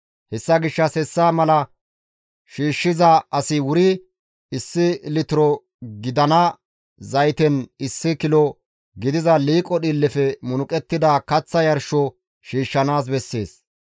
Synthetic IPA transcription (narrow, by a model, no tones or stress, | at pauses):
hɛsːɐɡɪʃːɐsɛsːaːmɐlɐ | ʃiːʃːɪzɐɐsɪwʊɾɪ | ɪsːɪlɪt̪ɪɾɔ | ɡɪd̪ɐnɐ | zɐjt̪ɛnɪsːɪkɪlɔ | ɡɪd̪ɪzɐliːkʼɔɗilːɛfɛmʊnʊkʼɛt̪ːɪd̪aːkɐt͡sːɐjɐɾʃɔ | ʃiːʃːɐnaːs̬bɛsːe̞ːs